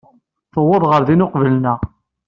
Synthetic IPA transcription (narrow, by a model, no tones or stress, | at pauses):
θəwʊðˤʁəɾðinʊqvəlnæ